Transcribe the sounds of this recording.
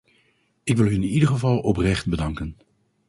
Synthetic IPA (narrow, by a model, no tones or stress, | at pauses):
ɪkʋɪlˠɦynɪnidəɹχəvɑlˠɔprɛχt̚bədɑŋkən